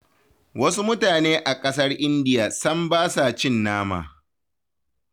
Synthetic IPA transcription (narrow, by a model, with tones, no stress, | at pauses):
wɐ˦su˦mʊ˦taː˨neː˦ʔa˨kʼɐ˦s̬ɐ˦rʔɪ˦ndɪ˦jaː˨sɐ˦mbaː˦sa˨t͡ʃɪ˦nːaː˦ma̰ː˨